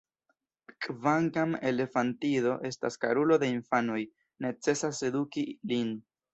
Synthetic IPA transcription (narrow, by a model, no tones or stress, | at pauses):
kʼvaŋkame̞le̞fantiðo̞ʔe̞sta̰skaɾulo̞de̞infanoj | ne̞t͡se̞sasːe̞dukilin